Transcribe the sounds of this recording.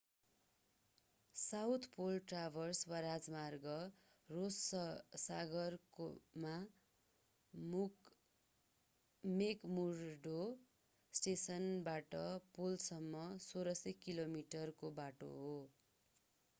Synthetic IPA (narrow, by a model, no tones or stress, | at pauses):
sawt̪ʰpolʈrabʱʌrswaɾad͡zmarɡʌ | rossaɡʌrkoma | muk | mekmurɖo | sʈesʌnbaʈʌpolsʌmːʌsoɾʌsʌkilomiʈʌrkobaʈo̰ɦo